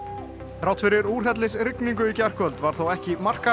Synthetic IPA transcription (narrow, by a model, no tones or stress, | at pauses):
θɾawt̪fɪɾɪɾuːr̥ɦɛt̪̬lɪsrɪkniŋkʏicɛr̥kʰœlt̪vaɾ̥θowɛhcɪmar̥ka